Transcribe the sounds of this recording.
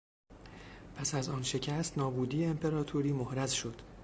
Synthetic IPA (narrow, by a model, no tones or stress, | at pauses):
pʰæsæzɒːnʃe̞cʰæst̪nɒːbuːd̪iːjeːmpʰe̞ɾɒːt̪ʰoɾiːmohɾæzʃo̞d̪̥